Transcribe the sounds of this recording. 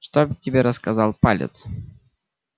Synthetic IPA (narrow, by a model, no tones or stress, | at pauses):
ʂt̪obtʲɪbʲeɾəskazalˠpalʲɪ̰t̪s